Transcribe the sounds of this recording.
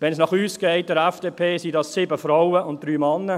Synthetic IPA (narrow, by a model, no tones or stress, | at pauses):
ʋɛnsnɑχyːsɡ̥ɛɪt̚dəɾɛfd̥eːpʰeːsidɑssɪbəfɾaʊəʊnt̚d̥ɾyːmanːə